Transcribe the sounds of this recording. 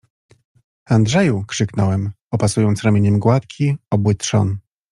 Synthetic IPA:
and̪ʐɛjukʂɘknɔwɛm | ɔpasujɔnt̪sɾamʲjeɲɛmɡwat̪kʲʰiɔbwɘt̪ʂɔ̰n

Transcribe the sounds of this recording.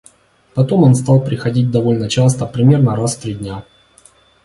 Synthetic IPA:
pɐt̪o̞mo̞nst̪ɑlˠpɾʲɪxɐdʲit̚ʲd̪ɐvo̞lʲnət͡ɕast̪əpɾʲɪmʲe̞rnəɾasft̪ɾʲidʲnʲa

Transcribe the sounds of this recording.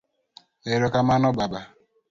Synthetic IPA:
eɾokamanɔbaba

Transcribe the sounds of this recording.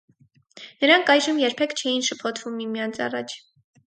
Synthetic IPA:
nəɾɑŋkʰɑjʒəmjɛɾpʰɛkʰt͡ʃʰɛjinʃəpʰɔt̪ʰvumːimijɑnt͡sʰɑ̰rɑt͡ʃʰ

